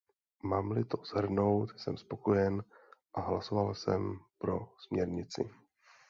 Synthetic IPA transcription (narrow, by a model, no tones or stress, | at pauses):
maːmlɪt̪o̞z̥ɦr̩no̞wt̪sɛmspo̞ko̞jɛnʔaɦlaso̞valsɛ̰mpɾo̞smɲɛɾɲɪt͡sɪ̰